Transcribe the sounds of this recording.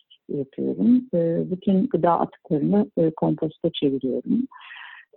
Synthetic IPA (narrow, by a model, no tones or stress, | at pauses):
japʰɯjo̞̰ɾumɯːbit̪ʰynɡɯd̪aːʔa̰t̪ʰɯ̥klˠaɾɯnɯkʰo̞mpʰo̞st̪ʰat͡ʃʰe̞viɾijo̞̰ɾum